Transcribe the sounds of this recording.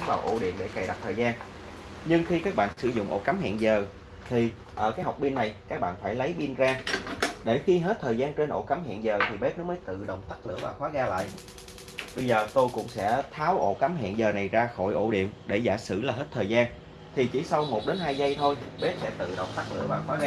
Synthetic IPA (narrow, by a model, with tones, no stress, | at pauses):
ŋvaː˨˩wʔo̰˧˩ɗḭ˧˨əmɗḛ˧˩ka˨˩jɗa˨˩t̚t̪ʰəː˨˩zaː˧n | ɲɨ˧ŋxi˧kaː˦˥k̚ɓa̰ː˧˨nsɨ˧˩zʊ̰˧˨ŋ͡mʔo̰˧˥ka˨˦mhḭ˧˨nzəː˨˩ | t̪ʰi˨˩ | ʔəː˧˩kaː˨˦jɦa˨˩wk͡p̚ɓi˧ənːa˨˩jkaː˦˥k̚ɓa̰ː˧˨nfaː˧˩jlə˨˦jɓi˧ənzaː˧ɗe˧˩xi˧ɦe˦˥t̚t̪ʰəː˨˩jzaː˧nt͡ɕe˧nʔo̰˧˩ka˨˦mhḭ˧˨ənzəː˨˩t̪ʰi˨˩ɓe˦˥t̚nɔ˨˦məː˨˦jt̪ɨ̰˧˨ɗə˨˩wŋ͡mt̪a˦˥k̚lɨ̰˧˥əvaː˨˩xwaː˨˦ɣaː˧la̰ː˧˨jʔ | ɓə˧jzəː˨˩t̪o˧jkʊ̰˧˥ŋ͡msɛ̰˧˥t̪ʰaː˨˦wʔo̰˧˩ka˨˦mɦḭ˧˨nzəː˨˩na˨˩jzaː˧xo˧˩jʔo̰˧˩ɗḭ˧˨ənɗe˧˩zaː˧˩sɨ̰˧˩laː˨˩ɦe˦˥t̚t̪ʰəː˨˩jzaː˧n | t̪ʰi˨˩t͡ɕi˧˩sa˧wmo˨˩t̚ɗe˨˦nɦaː˧jzə˧jt̪ʰo˧jɓe˦˥t̚sɛ̰˧˥t̪ɨ̰˧˨ɗə̰˨˩wŋ͡mt̪aː˦˥k̚lɨ̰˧˥əvaː˨˩wxwaː˨˦ɣaː˧